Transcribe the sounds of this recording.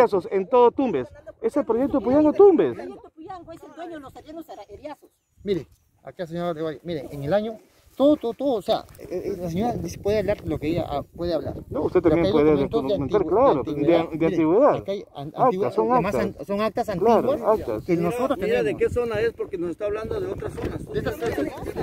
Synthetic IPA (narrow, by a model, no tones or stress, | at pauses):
asosent̪oðot̪umbeseselpɾojek̚t̪oepujaŋɡot̪umbeskt̪ouʝaŋɡoesed̪weɲonosenosaejaso | miɾe | a̰kas̬eɲoɾaðewajomiɾeʔeŋelaɲo | t̪oðot̪ot̪oðosea̰las̬eɲoɾad̪ise̥pweðeaβlaɾlokeeʝa̰ʔpweðeaβla̰ɾnoust̪et̪ambjepweðeent̪oneanmenaɾweklaɾot̪w̪ed̪eant̪iɣweðaaðkajaaak̪iwassːoŋakmast̪aansoŋak̚t̪asanlaɾwaakt̪askenossot̪ɾost̪ieðekesonaespoɾkenosest̪aːβland̪oðeot̪ɾasonasd̪est̪aset̪o